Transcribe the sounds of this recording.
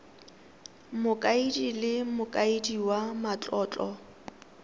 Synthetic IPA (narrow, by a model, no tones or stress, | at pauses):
mʊkʼaidilɪmʊkʼaidiwamat͡ɬʼɔːt͡ɬʼɔ